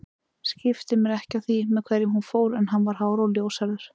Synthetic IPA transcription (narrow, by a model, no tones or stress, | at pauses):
scɪft̪ɪmɛɾɛhcawθimɛðkʰvɛːɾjɪmhunfoːwɾɛnɦanːvaɾ̥ɦaːwɾawljoːwsaɾðʏɾ̥